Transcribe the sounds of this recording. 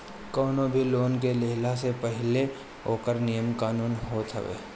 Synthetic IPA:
kɔːnõbʱiloːnk̬eleːlasepəɦɪle | oːkəɾnijəmkaːnuːnɦoːt̪ɦə̰ʋḛː

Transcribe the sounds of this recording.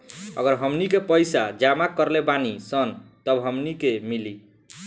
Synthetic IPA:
ə̰ɡəɾɦəmnikepəjsad͡ʒamakəɾlebanisʌnt̪əbɦʌmnikemili

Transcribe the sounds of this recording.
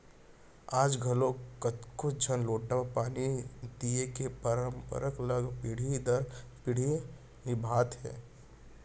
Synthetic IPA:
aːd͡ʒɡʱɐlokət̪kod͡ʒʱənloːʈːapaːnid̪iekepəɾəmpə̰ɾəkələɡpɪɽ̤id̪əɾpɪɽ̤i | nɪbʱaːt̪ɦɛ̰ː

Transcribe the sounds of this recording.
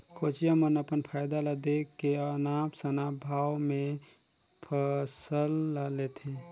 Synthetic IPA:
kʰot͡ʃijamənəpənpʰajd̪aləd̪ekːeənapsənabʱawmẽ | pʰəsəlːalet̪ɦẽ

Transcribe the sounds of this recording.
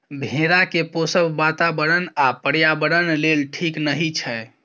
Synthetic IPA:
bʱeɾakeposəbːat̪abəɽənapəɽjabəɽənlelʈʰiknəɦit͡ʃʰɛ

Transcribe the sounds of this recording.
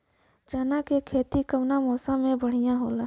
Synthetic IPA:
d͡ʒaːnakekʰeːt̪ikəʋnamɔːsãmẽbəɽ̤ijãɦoːlaː

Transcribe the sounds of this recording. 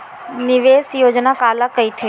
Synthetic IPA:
nɪʋeːsjoːd͡ʒnakaːlakɐit̪ʰeː

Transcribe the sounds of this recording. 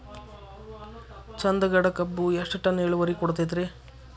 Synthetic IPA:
t͡ʃɐnd̪ɐɡɐɽɐkɐbːuɛʂʈɐʈːɐneːɭuʋɐɾikɔɽt̪̬ɐjt̪̬ɾe

